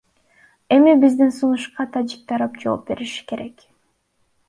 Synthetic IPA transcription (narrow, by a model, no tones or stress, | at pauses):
e̞mibizd̪insunuʃqɑt̪ʰad͡ʒik̚t̪ɑɾɑp̚d͡ʒo̞ːp̚be̞ɾiʃi̥ke̞ɾe̞k